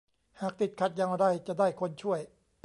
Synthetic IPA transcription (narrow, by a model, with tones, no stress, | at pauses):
haː˨˩k̚t̪i˨˩t̪̚kʰa˨˩t̪̚ja˧ŋ˧da˥˩jt͡ɕa˨˩daː˥˩jkʰo˧nt͡ɕʰu˥˩əj